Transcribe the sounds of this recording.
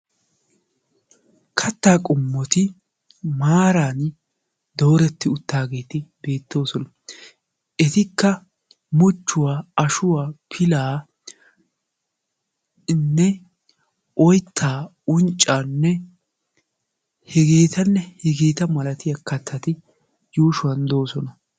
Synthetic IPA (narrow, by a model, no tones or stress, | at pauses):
kʰɐt̪ːaːkʼʊmːɔt̪ɪ | maːɾaːn | d̪o̞ːɾɛt̪ːɪʊt̪ːaːɡe̞ːt̪ɪbe̞ːt̪ːo̞ːsɔnɐ | ɛt̪ɪkːɐ | mʊt͡ʃːʊwaːɐʃʊwaːpʰɪlaː | nːɛ | ʔɔjt̪ʰːaː | ʊnt͡ʃʼːaːnːɛ | hɛɡe̞ːt̪ɐnːɛhɛɡeːt̪ɐmɐlɐt̪ɪjɐkɐt̪ʰːɐt̪ɪ | juːʃʊwɐnd̪o̞ːsɔnɐ